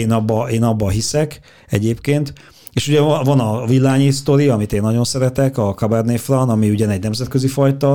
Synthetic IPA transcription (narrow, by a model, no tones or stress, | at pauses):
eːnɒbːɒeːnɒbːɒɦisɛk | ɛ̰ɟeːpkeːnt̪ | eːʃuɟɛvɒnɒvilːaːɲist̪o̞ɾiɒmit̪eːnːɒɟo̞nsɛɾɛt̪ɛkɒkɒbɛrneːfrɒnɒmiuɟɛnɛɟnɛmzɛt̪køzifɒjt̪ɒ